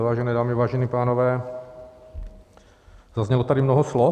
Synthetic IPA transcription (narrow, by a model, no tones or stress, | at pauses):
vaːʒɛnɛːdaːmɪvaːʒɛniːpaːnovɛː | zazɲɛlot̪adɪmnoɦoslɔ